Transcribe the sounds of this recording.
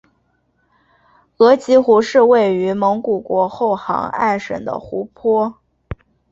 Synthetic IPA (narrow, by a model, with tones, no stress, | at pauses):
ɤ˧˥t͡ɕi˧˥xu˧˥ʂɻ̩˥˧we˥˩ɪy˧˥mɤ˧˥ŋku˨˩kwɔ˧˥xo˥˩ʊxɑ̰˧˥ŋa̰˥˩ɪʂə̰˨˩ŋd̪ə̰˦xu˧˥pʰwɔ˥